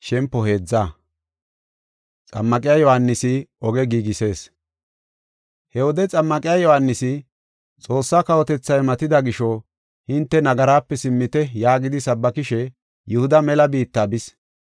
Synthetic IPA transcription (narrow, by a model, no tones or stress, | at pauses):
ʃɛmpːɔhe̞ːd͡zːaː | t͡sʼɐ̰mːɐkʼɪjaːjɔhanːɪsɪɔɡɛɡiːɡɪse̞ːs | hɛwɔd̪ɛt͡sʼɐmːɐkʼɪjaːjɔhanːɪsɪ | t͡sʼo̞ːsːaːkɐwɔt̪ɛt͡sːɐjmɐt̪ɪd̪ɐɡɪʃɔ | hɪnt̪ːɛnɐɡɐɾaːpːɛsɪmːɪt̪ɛjaːɡɪd̪ɪsɐbːɐkɪʃɛ | jʊhʊd̪ɐmɛlɐbiːt̪ːaːbɪs